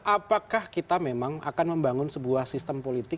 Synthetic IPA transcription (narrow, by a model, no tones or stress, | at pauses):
ʔapakahkit̪amemaŋa̰kanməmbaŋʊnsəbuahsist̪əmpolit̪ɪ